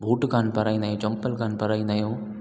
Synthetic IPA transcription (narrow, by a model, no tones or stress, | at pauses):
bʱuːʈkʰaːnpɐɾaːĩnd̪aɦjõːt͡ɕɐ̃mpəlkʰaːnpɐɾaːĩnd̪aːɦijõː